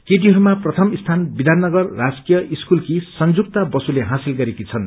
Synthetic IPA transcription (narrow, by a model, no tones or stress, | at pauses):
keʈ̬iɦʌɾumaprʌt̪ʰʌmist̪ʰanbid̪ʱanːʌɡʌrːad͡zkijʌiskulkisʌnd͡zuk̚t̪abʌsuleɦãsilɡʌɾekit͡sʰʌn